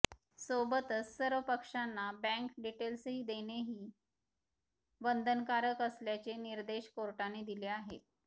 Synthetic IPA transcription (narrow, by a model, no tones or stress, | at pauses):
sobət̪əsːəɾʋəpəkʂanːabæ̃ŋkɖiʈelsɦiːd̪eneɦiː | ʋənd̪ʱənkaɾəkəsljat͡ɕeniɾd̪eɕkoɾʈaned̪ileaɦḛt̪̚